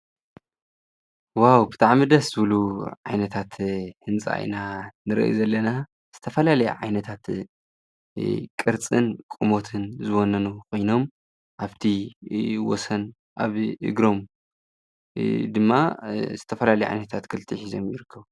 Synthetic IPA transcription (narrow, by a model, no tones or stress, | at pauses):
wawbɨt̪ʰaʕmid̪ɐsz̥ɨβluʕajnɐt̪ʰat̪hɨnt͡sʼa̰ʔḭnanɨɾɨ̰ʔḭzɐlːɐna | z̥ɨt̪ʰɐfɐlalɐj̰ʕajnɐt̪ʰat̪ | kʼɨɾt͡sʼɨnkʼumo̞t̪ʰɨnzɨwonːɐnukʰo̞jno̞m | ʔaβt̪ʰi | wɔ̰sɐn | ʔa̰βʔɨ̰ɡɾo̞m | d̪ɨmːaz̥ɨt̪ʰɐfɐlalɐjʕa̰jnɐt̪ʰat̪kʰɨlt̪ʰʼiħizo̞̰mjɪɾɨkʰːɐβu